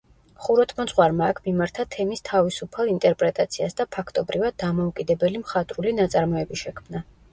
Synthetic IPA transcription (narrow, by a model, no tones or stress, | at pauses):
χuɾɔt̪ʰmɔsʼχwaɾmaːkʰmimaɾt̪ʰat̪ʰɛmist̪ʰavisupʰalˠint̪ʼɛɾpʼɾɛt̪ʼat̪sʰiasd̪apʰakʰt̪ʼɔbɾivad̪̚ːamɔukʼid̪ɛbɛlimχat̪ʼɾulinat̪sʼaɾmɔɛbiʃɛkʰmna